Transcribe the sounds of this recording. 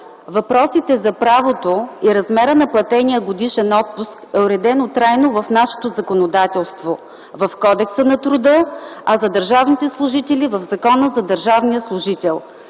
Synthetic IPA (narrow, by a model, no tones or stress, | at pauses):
vɐpɾɔsit̪ɛzɐpɾavot̪oiɾɐzmɛɾənɐplˠɐt̪ɛnʲiəɡod̪iʃɛnɔt̪̚puskɛʊɾɛd̪ɛnʊt̪ɾajnovɐfnaʃɛ̥t̪ozɐkonod̪at̪ɛlˠst̪vo | vɐfkɔd̪ɛksənɐt̪ɾʊd̪ɤɐzɐd̪əɾʒavnit̪ɛslˠʊʒit̪ɛlivɐvzɐkɔnəzɐd̪əɾʒavniəslˠʊʒit̪ɛlˠ